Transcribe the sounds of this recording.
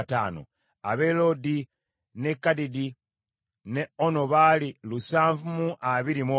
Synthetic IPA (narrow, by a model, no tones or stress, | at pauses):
ta̰ːno̰ | aβe̞lo̞di | ne̞kːadidi | neonoβaːlilusaːɱvumuʔaβiɾimwo